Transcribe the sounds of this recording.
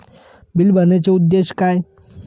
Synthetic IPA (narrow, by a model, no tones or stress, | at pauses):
bilbʱənet͡ɕeud̪ːeɕkaj